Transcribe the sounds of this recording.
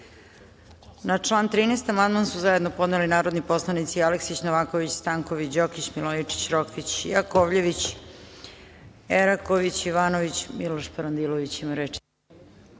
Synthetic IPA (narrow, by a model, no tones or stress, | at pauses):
nat͡ʂlˠaːnt̪ɾiːnejst̪amand̪mansuzaje̞d̪nopo̞d̪nelinaːɾod̪nipo̞slˠanit̪sialeksit͡ɕnoʋaːkoʋit͡ɕst̪aŋkoʋit͡ɕd͡ʑokit͡ɕmilˠojit͡ʂi̥t͡ɕɾokit͡ɕjakoʋʎeʋit͡ɕ | eɾakoʋit͡ɕiʋaːnoʋit͡ɕmiloʃpaɾand̪ilˠoʋit͡ɕimaɾet͡ʃ